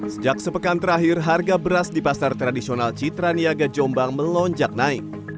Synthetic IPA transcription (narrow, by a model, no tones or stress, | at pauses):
səd͡ʒak̚səpəkant̪əɾaɦirɦarɡabəɾasdipasart̪ɾadisionalt͡ʃit̪ɾaniaɡad͡ʒɔmbaŋməlɔɲd͡ʒak̚naɪk